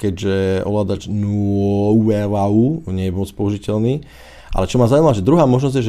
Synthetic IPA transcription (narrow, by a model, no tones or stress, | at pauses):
kɛɟʒɛʔɔ̰ʋlaːd̪at͡ʃnuɔɛvauɲɛjɛpɔmɔt͡spɔuʒicɛlniː | ʔa̰lɛt͡ʃɔmazaujimaaʒɛd̪ɾuɦaːmɔʒnɔzɟjɛʒ